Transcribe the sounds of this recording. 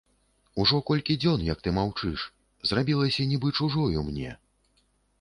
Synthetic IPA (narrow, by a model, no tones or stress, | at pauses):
uʐɔkɔlʲkʲid͡zʲɔnjɐk̚t̪ɨmawt͡ʂɨʂ | zrabʲilˠɐsʲɐnʲibɨt͡ʂuʐɔjumnʲɛ̰